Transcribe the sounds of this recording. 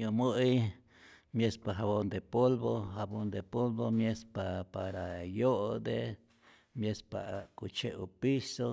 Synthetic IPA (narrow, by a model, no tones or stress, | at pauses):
omoʔi | mjespaɦaβond̪epolbohabond̪epolbomjespapaɾajoʔd̪e | mjespa̰kut͡ʃeʔupiso